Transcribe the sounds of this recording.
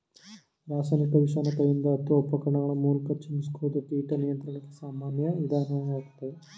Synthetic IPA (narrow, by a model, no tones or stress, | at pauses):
ɾaːsaːnikɐʋiʂaːnɐk̪ɐʋind̪ɐːt̪ːuʋɐɔpːɐkɐɾɐɳɐɡɐɭɐmuːlkɐt͡ʃːimiskuʋud̪ɐk̪ːiːʈɐnijɐnt̪ɾɐɳɐkːesaːmaːnjɐid̪ʱaːnɐɐʋaːkt̪ːɐe